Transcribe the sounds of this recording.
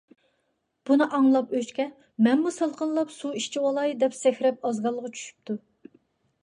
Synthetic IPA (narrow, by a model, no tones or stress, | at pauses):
b̥unɨʔɑŋlˠɑpøt͡ʃkʲɛ | mɛnmusəlˠqʰənlˠɑpsuiʃt͡ʃʰiwɑlˠɑjd̪ɛpsɛxʲɾɛpɑzɡɑlˠːəʁɑt͡ʃʰy̥ʃy̥p̚t̪ʰu